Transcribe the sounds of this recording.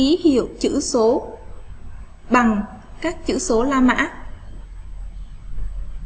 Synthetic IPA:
i˨˦hi˨əwt͡ɕɨ̰˧˥so˨˦ | ɓa˨˩ŋ | kaː˦˥k̚t͡ɕɨ̰˧˥so˨˦laː˧ma̰ː˧˥

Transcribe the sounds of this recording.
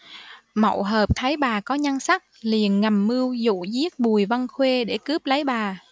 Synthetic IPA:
mə̰˧˩˨wɦəː˨˩p̚t̪ʰa˨˦jɓaː˨˩kɔ˨˦ɲa˧ŋsa˦˥k̚li˨˩ənŋa˨˩mːɨ˧əwzṵ˧˨zi˦˥ət̚ɓu˨˩əjvə˧nxwe˧ɗe˧˩kɨ˦˥əp̚lə˨˦jɓaː˨˩

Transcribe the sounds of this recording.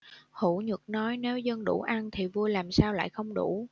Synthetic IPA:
hu˧˩ɲɨ˨˩k̚nɔ˨˦jne˨˦wzə˧nɗṵ˧˩ʔa˧nt̪ʰi˨˩vu˧əjlaː˨˩msaː˧wla̰ː˧˨jxə˧wŋ͡mɗṵ˧˩˥

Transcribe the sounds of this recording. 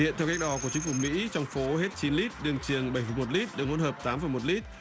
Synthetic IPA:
ḭ˧˨nt̪ʰɛ˧wka˦˥k̚ɗɔ˨˦ku˧˩ət͡ɕï˨˦ŋ̟fu˨˩mḭ˧˥t͡ɕɔ˧wŋ͡mfo˨˦he˦˥t̚t͡ɕi˨˦nli˦˥t̚ɗɨ˧əŋt͡ɕɨ˨˩əŋɓə˨˧˩jfə˨˩jmo˨˩t̚li˦˥t̚ɗɨ˨˩kŋo̰˧˥nhəː˨˩p̚t̪aː˨˦mfə˨˩jmo˨˩t̚li˦˥t̚

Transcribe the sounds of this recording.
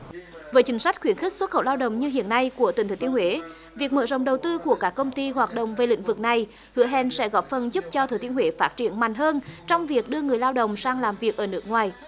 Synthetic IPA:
vəː˨˦t͡ɕï˨˦ŋ̟swa˦˥k̟̚xwi˧˩ənxï˦˥k̟̚swə˦˥t̚xə̰˧˨wlaː˧wɗə̰˧˨wŋ͡mɲɨ˧ɦḭ˧˨ənːa˧jku˧˩ət̪i˨˩ŋt̪ʰːt̪i˧ənhwe˧˦ | vi˨˩ək̚mə̰˧˨zə̰˧˨wŋ͡mɗə˨˩wt̪ɨ˧ku˧˩əkaː˦˥kːə˧wŋ͡mt̪i˧ɦwaː˨˩t̚ɗə̰˧˨wŋ͡mve˨˩lḭ̈˧˥ŋ̟vɨ˨˩k̚na˨˩j | hɨ̰˧˥əɦɛ˧˩nsɛ̰˧˥ɣɔ˨˦˥p̚fə˨˩nzu˦˥p̚t͡ɕɔ˧t̪ʰəː˨˩t̪i˧ənhwe˨˦faː˦˥t̚t͡ɕi˧˩˨ənma̰˨˩jŋ̟ɦəː˧nt͡ɕɔ˧wŋ͡mvi˨˩ək̚ɗɨ˧əŋɨ˨˩əjlaː˧wɗə̰˧˨wŋ͡msaː˧ŋlaː˨˩mvi˨˩ək̚ʔəː˧˩nɨ˦˥ək̚ŋwaː˨˩j

